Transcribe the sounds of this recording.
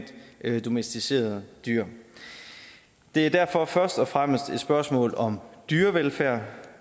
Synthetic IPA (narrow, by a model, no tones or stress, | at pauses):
d̥d̥o̝mesd̥ise̝̰ːɐð̩ˠd̥yɐ̰ | d̥e̝æɐd̥æɐ̰fɒ̽fɶɐsd̥ɒ̽fʁam̰əsd̥e̝d̥sb̥ɶɐsmɔ̰̽ːlɒ̽md̥yːɐʋelfæɐ̰